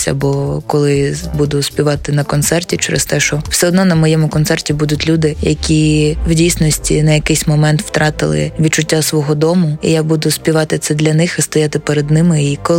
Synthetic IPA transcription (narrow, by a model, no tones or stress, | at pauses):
sʲɐ̰bɔkɔlˠɪbud̪ʊspʲiʋɑt̪ɪnɐkɔnt̪sɛrtʲit͡ʃɛɾɪ̰st̪ɛʃɔw̥sɛɔd̪nɔnɐmɔjɛmʊkɔnt̪sɛrtʲibud̪ʊtʲlʲud̪ɪjɐ̰kʲiwdʲijsʲnɔsʲtʲḭnɐjɐkɪjsʲmɔmɛnt̪w̥t̪ɾɑt̪ɪ̰lˠɪ̰ʋʲid̪t͡ʃʊtʲːasʋɔɦɔd̪ɔmʊḭjabud̪ʊspʲiʋɑt̪ɪt̪sɛd̪lʲɐnɪxist̪ɔjat̪ɪpeɾed̪nɪmɪikɔ